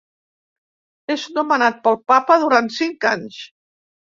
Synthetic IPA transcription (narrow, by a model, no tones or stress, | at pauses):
eznumənat̪̚pəlˠpapəðuɾant̪siŋkaɲs